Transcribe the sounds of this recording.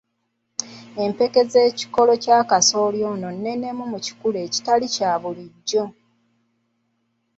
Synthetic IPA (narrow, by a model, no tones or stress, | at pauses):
e̞mpe̞ke̞ze̞ːci̥ko̞lo̞caːkaso̞ːljo̞ːno̞nːe̞ne̞mumuci̥kuleːci̥talicaːβuliɟːo̞